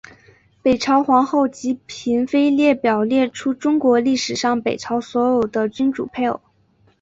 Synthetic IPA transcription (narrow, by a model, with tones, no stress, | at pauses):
pe˨˩ɪʈ͡ʂʰɑ˧˥ʊxwɑ˧˥ŋxo˥˩ʊt͡ɕi˧˥pʰi˧˥nfe˥ɪljɛ˥˩pjɑ˨˩ʊljɛ˥˩ʈ͡ʂʰu˥ʈ͡ʂʊ˥ŋkwɔ˧˥li˥˩ʂɻ̩˨˩ʂɑ˥˩ŋpe˨˩ɪʈ͡ʂʰɑ˧˥ʊswɔ˧˥jo˨˩ʊd̪ə˦t͡ɕy˥nʈ͡ʂṵ˨˩pʰe˥˩˨